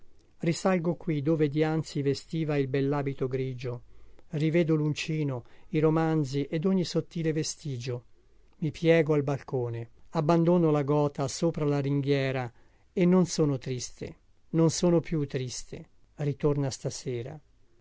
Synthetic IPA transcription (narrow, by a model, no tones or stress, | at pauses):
risalɡokwid̪oːved̪iant̪sivest̪iːvailbɛlːaːbit̪oɡɾiːd͡ʒorivɛːd̪olunt͡ʃiːnoiɾomand̪ziʔed̪oɲːisot̪ːiːlevest̪iːd͡ʒo | mipʰjɛːɡoalbalkoːneabːand̪oːnolaɡɔːt̪asoːpɾalaɾiŋɡjɛːɾa | enːonsoːnot̪ɾist̪ʰḛ | nonsoːnopjut̪ːɾist̪ʰḛ | rit̪ornast̪aseːɾa̰